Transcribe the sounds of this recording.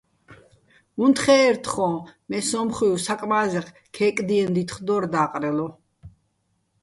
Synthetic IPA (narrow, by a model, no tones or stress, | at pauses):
unt̪χɛːɾt̪ʰχɔ̃mɛsɔmχuusakʼmaːzɛq | kʰɛːkʼd̪iɛnd̪it̪χd̪ɔːɾd̪aːqʼɾɛlɔ